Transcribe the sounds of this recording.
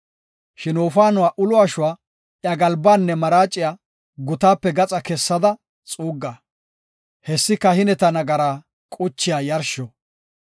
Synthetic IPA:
ʃɪnoːfaːnʊwaːʔʊlʊaʃʊwaː | ʔjɐɡɐlbaːnːɛmɐɾaːt͡ʃʼːɪjaː | ɡʊt̪aːpːɛɡɐt͡sʼɐkɛsːɐd̪ɐ | t͡sʼuːɡːaː | hɛsːɪkːɐhɪnɛt̪ɐnɐɡɐɾaː | kʼʊt͡ʃːɪjaːjɐɾʃɔ

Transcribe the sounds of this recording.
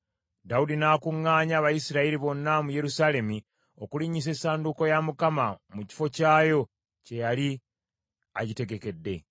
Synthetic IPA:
daudinaːkuŋːaːɲaːβajisiɾaiɾiβo̞nːamuje̞ɾusaːle̞mi | o̞kuliɲːis̬e̞saːnduko̞jamukamamuci̥fo̞caːjo̞ | ce̞jali | aɟite̞ɡe̞ke̞dːe̞

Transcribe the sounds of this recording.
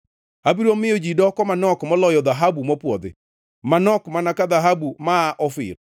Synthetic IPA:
abiɾɔmɪɔd͡ʒidɔkɔmanɔkmɔlɔjɔd̪aɦabumɔpwɔd̪ɪ̰ | manɔkmanakaðaɦabumaːʔɔfɪ̰ɾ

